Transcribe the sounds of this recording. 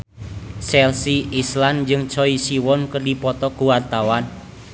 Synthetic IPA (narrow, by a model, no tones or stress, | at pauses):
sɛlsiisland͡ʒɨŋt͡ʃɔisiwɔnkərdipɔt̪ɔkuwart̪awan